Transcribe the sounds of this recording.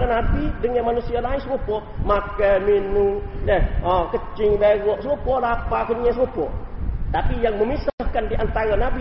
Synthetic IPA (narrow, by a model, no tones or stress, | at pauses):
anabidəŋanmanusialaisupɔ | makəminudɛhɔkət͡ʃɪŋbeɣɔʔsupɔlapakənɲasupɔt̪apijaŋməmisahkandiʔant̪aɾanabi